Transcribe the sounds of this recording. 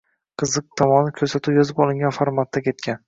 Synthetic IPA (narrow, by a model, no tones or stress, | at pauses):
qʰɨzɨq̚t̪ʰɒmɒnɪkʲʰɵɾsat̪ʰuwjɒzɪpɒlˠɪŋɡʲanfoɾmat̪ːakʲʰe̞t̪̚kʲʰan